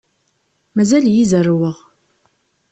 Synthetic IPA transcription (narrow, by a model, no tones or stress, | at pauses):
mæzæljizərwəʁ